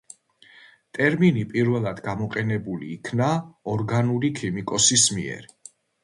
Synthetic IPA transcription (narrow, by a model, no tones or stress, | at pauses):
t̪ʼɛɾminipʼiɾvɛlˠad̪ɡamɔqʼɛnɛbulḭːkʰnaɔɾɡanulikʰimikʼɔsismḭɛ̰ɾ